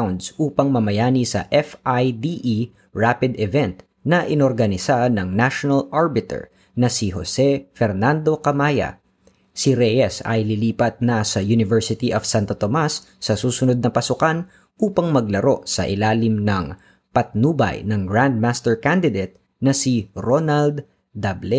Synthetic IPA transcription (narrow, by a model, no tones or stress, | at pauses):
wnd̪sʔuːpɐŋmɐmɐjaːnisɐ̰ʔɛfajd̪iʔi | ɹapɪd̪ɛvɛnt̪ | nɐʔɪnoɾɡɐnɪsanɐŋnaʃonɐlʔaɹbɪt̪ɛ̰ɹ | nɐsiɦosɛfɛɾnand̪o̞kɐmaːjɐ̰ | siɾɛjɛsɐ̰jliliːpɐt̪̚nɐsɐjunɪvɛɹsɪt̪iʔɐfsant̪ot̪omasː | ɐsuːsʊnod̪̚nɐpɐsʊkan | ʔuːpɐŋmɐɡlɐɾo̞̰ʔsɐ̰ʔɪlaːlɪmnɐŋ | pɐt̪̚nuːbɐ̰jnɐŋɡɹand̪̚mast̪ɛɹkand̪ɪd̪et̪̚ | nɐsiɾonald̪ | d̪ablɛ